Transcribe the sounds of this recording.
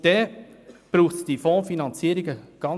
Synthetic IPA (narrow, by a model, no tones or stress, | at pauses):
d̥ɛ | b̥ɾuːχtd̥ifɔ̃ːfinɑnt͡siːəɾiɡəɡ̥ɑn